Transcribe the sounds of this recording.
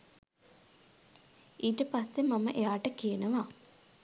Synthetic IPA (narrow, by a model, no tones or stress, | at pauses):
iːʈəpasːemamə̰ʔejaːʈəkijenəʋa